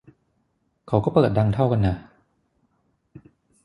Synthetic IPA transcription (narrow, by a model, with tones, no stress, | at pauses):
kʰa˨˦wkɔː˥˩pɤː˨˩t̪̚da˧ŋt̪ʰa˥˩wka˧nːa˦˥˩